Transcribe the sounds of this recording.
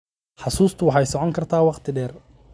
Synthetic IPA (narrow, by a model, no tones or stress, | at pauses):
ħɑsuːst̪ʰʊwɑħɑjsɔʕɔŋkʰɐrt̪ʰaːwɑqt̪ʰɪɖɛːr